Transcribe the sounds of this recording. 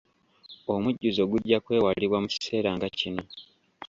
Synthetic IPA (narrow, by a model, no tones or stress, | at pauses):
omuɟːuzo̞ɡuɟːakwe̞ːwaliβwamuci̥se̞ːɾaːŋɡacino̞